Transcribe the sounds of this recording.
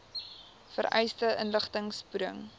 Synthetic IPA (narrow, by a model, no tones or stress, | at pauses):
fərɛ̰jstəʔənləχtəŋspudə̰ŋ